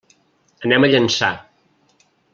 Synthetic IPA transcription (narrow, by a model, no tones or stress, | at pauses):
ənɛməʎənsa̰